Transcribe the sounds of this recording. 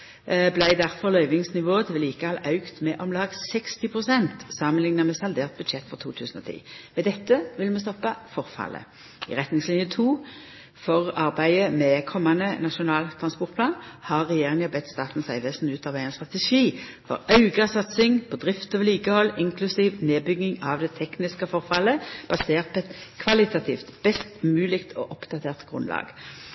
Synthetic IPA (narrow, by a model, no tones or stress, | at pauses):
blæɪd̪æʁfɔʁlœʏʋɪŋsnɪʋoːət̪ʰʋɛliːkəɑlɑʉkt̪mɛʔɔmlɑːɡsɛkst̪ɪpʰʁʊsɛnt̪sɑmənlɪŋnɑmɛsɑld̪eːʁt̪̚bʉd̪ʃɛt̪ːfɔʁt̪ʰṵːt̪ʰʉːsn̩ɔ̰t̪ʰḭːmɛd̪ɛt̪ːəʋɪlmɛst̪ɔpːɑfɔʁfɑ̰lə̰ | ɪ̰ʁɛt̪nɪŋslɪnjət̪ʰuː | fɔʁɑʁbæɪəmɛkʰɔmːɑnənɑʃʊnɑːlt̪ʰʁɑnspɔʁt̪̚pʰlɑːnhɑʁːɛjeːʁɪŋəbɛt̪ːst̪ɑːt̪n̩sæɪʋeːsn̩ʉːt̪ɑʋæɪɛnst̪ʁɑt̪ɛʃiːfɔ̰ʁɑʉɡɑsɑt̪sɪŋpʰɔd̪ʁɪft̪oːʋəliːkəhɔlːɪŋkʰlʉsiːʋneːbʏɡːɪŋɑʋd̪ɛt̪ʰɛknɪskəfɔʁfɑlːəb̥ɑseːʁt̪̚pʰːɛt̪kʰʋɑlɪt̪ɑt̪ʰḭːft̪b̥ɛst̪mʉːlɪkt̪ʰɔʔɔpd̪̥ɑt̪ʰeːʁt̪ɡ̥ʁʉ̰nlɑ̰ːɡ̥